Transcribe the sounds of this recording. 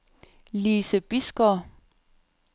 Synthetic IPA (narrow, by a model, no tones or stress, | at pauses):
liːsəb̥isɡ̥ɒ